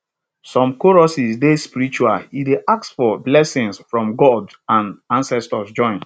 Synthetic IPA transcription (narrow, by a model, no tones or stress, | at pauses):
sɔ̃mkɔɹɔsisdespiɹɾit͡ʃuaideʔak̚tsfɔblɛsĩŋsfɹɔ̃mɡɔd | ãnãnsɛstɔsd͡ʒɔ̃ɪ̃n